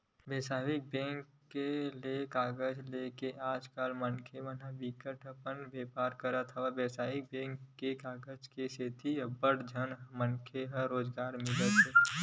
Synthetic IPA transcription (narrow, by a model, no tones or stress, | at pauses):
beːsaːʋɪk̚bɛ̃ːŋkːelekaːɡəd͡ʒleːkeʔaːd͡ʒkaːlmənkʰeʋənabɪkəʈəpənbeːpaːɾkəɾət̪ʰaʋabeːsaːʋɪk̚bɛ̃ːŋkːekaːɡəd͡ʒkeset̪ʰibəɽd͡ʒʱənmənkʰeɦəɾoːd͡ʒɡaːɾmɪlət̪e